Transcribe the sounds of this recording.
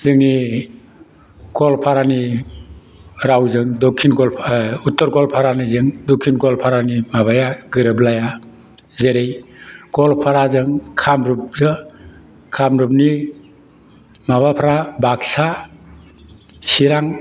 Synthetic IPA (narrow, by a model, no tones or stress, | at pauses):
z̥ɯŋni | ɡɔlpʰaɾani | ɾawzɯŋdɔkʰːinɡɔlʰutːɔɾɡɔlpʰaɾanizɯŋdokʰinɡɔlpʰaɾanimaβajaɡɯɾɯblaja | zeɾejɡɔlpʰaɾazɯŋkʰamɾup̚zɯ | kʰamɾup̚ni | maβapʰaɾabak̚sa | siɾaŋ